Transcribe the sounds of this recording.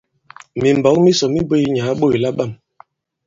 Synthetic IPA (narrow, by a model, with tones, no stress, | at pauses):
mi˨m̩˨bɔ˨˦k̚mi˦sɔ˨mi˦bo˦i˦ɲa˨˦ɓo˦˨i˨la˦ɓa˦˨m